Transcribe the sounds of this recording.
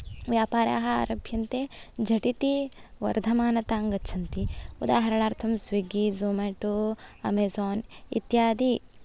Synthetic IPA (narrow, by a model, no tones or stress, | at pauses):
ʋjaːpaːɾja̰ːɦɐ̆a̰ɾɐbʱjɐnt̪ed͡ʒɐʈit̪i | ʋɐ̰ɾd̪ʱɐmaːnɐt̪aːŋɡɐtːt͡ʃʰɐnt̪iud̪aːɦɐɾɐɳaːɾt̪ʰɐmsʋiɡizoːmeːʈoɐ̰meːzɔːnḭt̪jaːd̪i